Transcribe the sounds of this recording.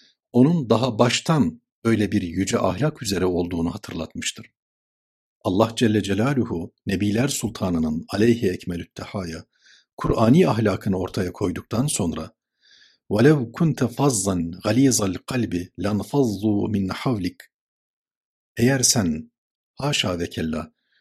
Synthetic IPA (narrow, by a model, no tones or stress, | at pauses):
o̞nund̪ɑɦabaʃt̪ʰan | bø̞jlʲɛbiɾjyd͡ʒɛʔa̰hlʲakyze̞ɾɛo̞lˠd̪uːnuɦat̪ʰɯɾlˠat̪mɯʃt̪ʰɯɾ̥ | ʔɑlˠːɑhd͡ʒɛlʲːɛd͡ʒɛlʲaːlʲuhunebiːlʲæɾsulʲˠt̪ʰɑːnɯnɯnalʲɛjhiɛcmælʲyt̪ʰːaħaːja | kʰuɾʔaːniːaɦlʲaːkʰɯnɯo̞ɾt̪ʰajakʰo̞jd̪uk̚t̪ʰanso̞nɾa | walæwkʰunt̪ʰufɑzːɑnɣaliːzˤalʲqʰɑlʲbɪlʲanfɑzˤːuːminːaħawlɪk | ejæɾsæn | haːʃaːvɛcʰɛlːa